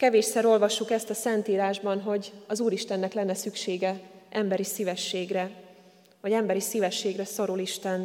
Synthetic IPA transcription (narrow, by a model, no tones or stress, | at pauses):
kɛveːʃsɛɾo̞lvɒʃːukɛst̪ɒsɛnt̪iːɾaːʒbɒnɦo̞ɟɒzuːɾiʃt̪ɛnːɛklɛnːɛsykʃeːɡɛʔɛmbɛɾisivɛʃːeːɡrɛ | hɒɟɛmbɛɾisiːvɛʃːeːɡrɛso̞ɾuliʃt̪ɛn